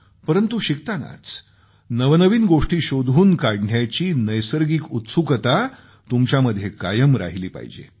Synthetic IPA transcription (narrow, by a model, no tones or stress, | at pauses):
pəɾənt̪uɕik̚t̪ana̰t͡s | nəʋnəʋiːnɡoʂʈiːɕod̪ʱuːnkaɽɳjat͡ɕiːnəjsəɾɡiːkut̪sukət̪a | t̪umt͡ɕjaməd̪ʱjekajəmɾa̰ɦiliːpa̰ɦid͡ʑḛ